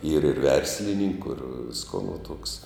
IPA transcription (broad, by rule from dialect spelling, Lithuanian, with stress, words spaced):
iːr ɪr ˈʋʲɛrʲsʲlʲɪnʲɪŋkʊ ɪr ˈʋʲɪskoː nʊ tuɔks